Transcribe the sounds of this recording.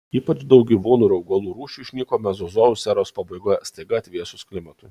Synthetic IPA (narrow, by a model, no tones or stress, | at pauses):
iːpɐt͡ʃd̪ɐʊk̚ɡʲiːʋuːnuːɾɐʊɡɐlˠuːɾuːʃʲuːʃʲnʲiːkoːmʲɛzozoːʋʊsʲɛɾoːspɐbɐɪɡoːjɛst̪ɐɪɡɐɐt̪ʲʋʲiɛsʊskʲlʲɪmɐt̪ʊɪ